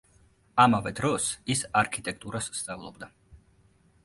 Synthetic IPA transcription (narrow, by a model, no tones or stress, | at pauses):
amavɛd̪ɾɔsisaɾkʰit̪ʼɛk̚ʼt̪ʼuɾassːt̪sʼavlˠɔbd̪a